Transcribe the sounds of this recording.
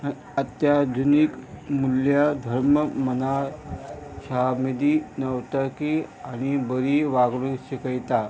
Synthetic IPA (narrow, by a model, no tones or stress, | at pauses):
ət̪jad̪ʱunikmuljad̪ʱəɾməməna | ɕamid̪inəʋt̪akiañibəɾiʋaɡɽũɕikəjt̪a